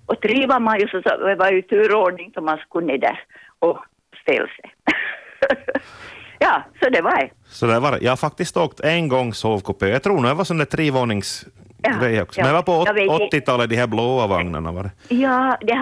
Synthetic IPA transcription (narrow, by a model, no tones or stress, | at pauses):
ʔɔt̪ɾiːʋamanjʊsɔsɔ̰ɛʋajʉt̪ʰʉːɾoːɖnɪŋt̪ʰɔmaskʉnːed̪æ̰ɾ | ɔ | st̪ɪ̰lsɛ | jɑːsɔd̪ɛʋɑ | sɔd̪ævɑɾjʔɑ̰hafak̚t̪ɪst̪oːkt̪ʰɛnɡɔŋːsoːʋkʊpeːjɑt̪ʰɾuːɳujɛʋvasɔnd̪æːt̪ʰɾeːʋoːɳɪŋsɾɛjɔksɔmɛɛvapɔɔɔt̪ːɪt̪ɑːlət̪̚d̪ɪhæɾbloːavaŋna̰ɳa̰va̰ɖɛjɑːd̪ɛ